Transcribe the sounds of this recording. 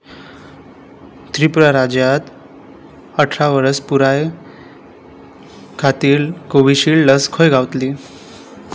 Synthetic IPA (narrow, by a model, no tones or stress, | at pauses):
t̪ɾipɾaɾad͡ʑjat̪ | əʈʰɾaʋəɾəspuɾaj | kʰat̪iːlkoʋiɕiːlləskʰojɡʱaʋt̪liː